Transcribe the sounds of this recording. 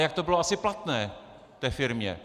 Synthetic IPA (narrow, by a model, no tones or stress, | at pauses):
jak̚t̪obɪloʔasɪplat̪nɛː | ft̪ɛːfɪɾmɲɛ̰